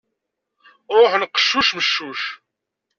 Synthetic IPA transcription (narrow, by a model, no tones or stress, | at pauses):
ɾˤoħnəqːə̥ʃːuʃməʃːuʃ